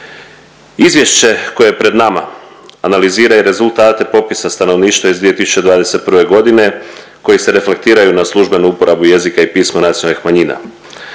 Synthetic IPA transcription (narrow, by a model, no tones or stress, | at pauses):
izʋjeʃt͡ɕe̞ko̞jeepɾe̞d̪nama̰ | analiziːɾajeɾe̞zulˠt̪aːt̪e̞po̞pisast̪ano̞ʋniːʃt̪ʋaizd̪ʋie̞t̪isu̥t͡ɕe̞d̪ʋaːd̪e̞se̞t̪pr̩ʋe̞ɡo̞d̪ine̞ | ko̞jise̞ɾe̞fle̞k̚t̪iːɾajunaslˠuʒbe̞nuupo̞ɾabuje̞zikaipiːsmanat̪sionalixmaɲina̰